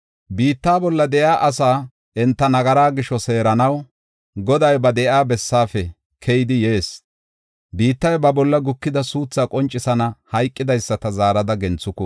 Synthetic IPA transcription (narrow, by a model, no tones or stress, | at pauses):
biːt̪ːaːbɔlːɐd̪ɛʔaːʔɐsaː | ɛnt̪ːɐnɐɡɐɾaːɡɪʃɔse̞ːɾɐnɐw | ɡɔd̪ɐjbɐd̪ɛʔaːbɛsːaːfɛ | kʰɛjɪd̪ɪjeːs | biːt̪ːɐjbɐbɔlːɐɡʊkːɪd̪ɐsuːt͡sːaːkʼɔnt͡ʃʼːɪsɐnɐhɐjkʼːɪd̪ɐjsːɐt̪ɐzaːɾɐd̪ɐɡɛnt͡sːʊkːɔ